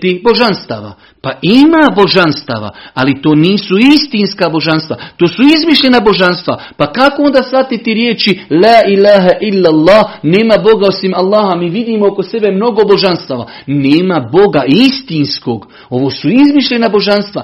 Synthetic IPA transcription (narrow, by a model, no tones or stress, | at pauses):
t̪ibo̞ʒanst̪a̰ʋa̰ | paʔimabo̞ʒanst̪a̰ʋa̰alit̪oːniːsuist̪inskabo̞ʒanst̪ʋa̰t̪oːsuizmiʃʎʲe̞nabo̞ʒanst̪ʋa̰pakakoo̞nd̪aːsfat̪it̪iɾje̞ːt͡ʃilaːʔilaːɦaʔilːalˠːɑːhne̞ːmabo̞ɡaosimalˠːaːhamiːʋid̪iːmookose̞be̞mno̞ɡo̞bo̞ʒanst̪aʋa̰ | neːmabo̞ɡaist̪inskoɡ | o̞ʋoːsuizmiʃʎʲe̞nabo̞ʒanst̪ʋa̰